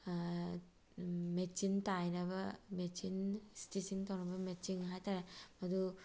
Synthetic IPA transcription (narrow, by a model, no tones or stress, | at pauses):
met͡ʃintajnɐbɐmet͡ʃinsi̥tisiŋtawnɐbɐmet͡ʃiŋɦajtaɾemɐdu